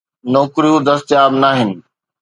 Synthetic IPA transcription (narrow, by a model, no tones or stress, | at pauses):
nɔːkɾijũd̪ɐst̪jaːbnaːɦɪnɪ̆